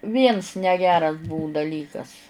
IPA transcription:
ˈʋʲiɛns nʲɛˈɡʲæːrɐs ˈbʊʊ dɐˈlʲiːkɐs

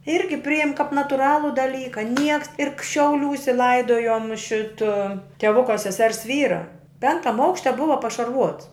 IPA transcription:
ˈɪrʲɡʲɪ ˈpʲrʲɪjɛm kɐp nɐtʊˈrɑːlˠʊ dɐˈlʲiːkɐ ˈnʲiɛks ɪr k ʃʲɛʊˈlʲuːsʲɛ ˈlˠɐɪdoːjoːm ˈʃʲɪtɐ tʲɛˈʋʊkɐ sʲɛˈsʲɛrs ˈʋʲiːrɐ ˈpʲɛŋktɐm ˈɐʊkʃʲtʲɛ ˈbʊʋɐ pɐʃɐrˈʋuɔts

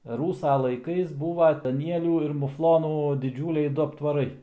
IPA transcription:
ˈruːsɐ lˠɐɪˈkɐɪs ˈbuːʋɐ dɐˈnʲiɛlʲuː ɪr mʊˈflˠoːnuː dʲɪˈd͡ʒʲuːlʲɛɪ ˈdʊ ɐptʋɐˈrɐɪ

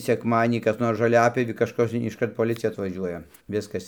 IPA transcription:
sʲɛkˈmɑːdʲiɛnʲiː kɐs ˈnoːrs ʒoːˈlʲæːpʲjoːʋʲiː kɐʃˈkɐs ɪʃˈkɐrt poːˈlʲɪt͡sʲɪjɛ ɐtʋɐˈʒʲuɔjɛ ˈʋʲɪskɐs

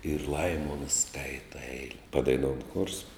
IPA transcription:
ɪr ˈlˠɐɪmoːns ˈskɐɪtɐ ˈɛɪlʲɛ pɐdɐɪˈnoːʊn xoːrs

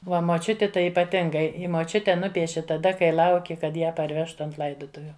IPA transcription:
ˈʋɐ moːˈt͡ʃʲʊtʲɪ ˈtɐɪ ɪpɐˈtʲɪŋɡɐɪ ɪ moːˈt͡ʃʲʊtʲɛ ˈnʊpʲiɛʃʲɪ tɐˈdɐ kɐɪ ˈlˠɐʊkʲɪ kɐt ˈjæː pɐrʲˈʋʲæːʃtʊ ˈɐnt ˈlˠɐɪdʊtʊʋʲʊ

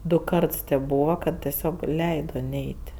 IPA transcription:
ˈdʊ ˈkɐrts tʲeːp ˈbuːʋɐ kɐt tʲɛˈsʲoːk ˈlʲɛɪdoː ˈnʲɛɪtʲ

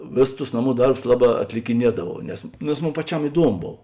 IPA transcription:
ˈʋʲeːˌsʊs tʊs ˈnɑːˌmuː ˈdɐrbʊs ˈlˠɑːˌbɑː ɐtʲlʲɪkʲɪˈnʲiɛdɐʋɐʊ nʲɛs nʲɛs ˈmoːn pɐˈt͡ʃʲɛm ɪˈduɔmoː ˈboːw

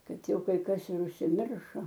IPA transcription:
ˈkɐt ˈjɛʊ kɐɪ ˈkɐs ɪr ʊʃʲsʲɪˈmʲɪrʃoː

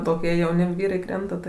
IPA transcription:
toːˈkʲiɛ jɛʊˈnʲɪ ˈʋʲiːrɐɪ ˈkrʲɛntɐ tɐɪ

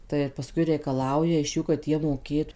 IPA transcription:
tɐɪ ɪr pɐˈskʊɪ rʲɛɪkɐˈlˠɐʊjɛ ɪʃ ˈjuː kɐt ˈjiɛ moːˈkʲeːtʊ

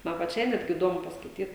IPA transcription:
ˈmɐn pɐˈt͡ʃʲɛɪ ˈnʲæːdʲɡʲɪ ɪˈdoːmʊ pɐskɐɪˈtʲiːt

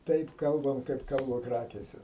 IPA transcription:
ˈtɐɪp ˈkɐlˠbɐm kɐɪp ˈkɐlˠbɐ ˈkrɑːkʲeːsʲɛ

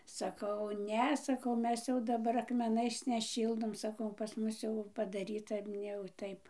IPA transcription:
sɐˈkɐʊ ˈnʲɛ sɐˈkɐʊ ˈmʲɛs jɛʊ dɐˈbɐr ɐkmʲɛˈnɐɪs nʲɛˈʃʲiːlˠdoːm sɐˈkɐʊ pɐs ˈmʊs jɛʊ pɐdɐˈrʲiːtɐ ˈnʲɛ jɛʊ ˈtɐɪp

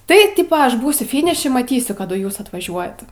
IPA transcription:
tɐɪ ˈtʲiːpɐ ˈɐʃ ˈbuːsʲʊ ˈfʲɪnʲɪʃʲɪ mɐˈtʲiːsʲʊ ˈkɑːdʊ ˈjuːs ɐtʋɐˈʒʲuɔjɛt

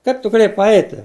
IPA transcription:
ˈkɐɪp tʊ ɡɐˈlʲeːjɛɪ pɐˈɛɪtʲɪ

